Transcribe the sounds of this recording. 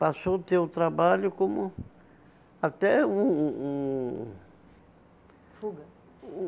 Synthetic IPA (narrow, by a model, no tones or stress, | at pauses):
pasot̪eʊt̪ɾabaʎʊkõmʊ | at̪ɛũũ | fuɡɐ̃